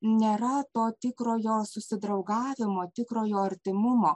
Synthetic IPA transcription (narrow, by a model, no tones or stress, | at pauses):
nʲeːɾɐt̪oːt̪ʲɪkɾoːjoːsʊsʲɪd̪ɾɐʊɡɑːʋʲɪmoːt̪ʲɪkɾoːjoːɐɾʲt̪ʲɪmʊmoː